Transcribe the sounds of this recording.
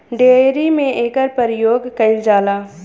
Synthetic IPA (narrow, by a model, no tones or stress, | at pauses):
ɖeːeːɾimẽʔeːkəɾpəɾɪjoːɡkɐɪld͡ʒaːlaː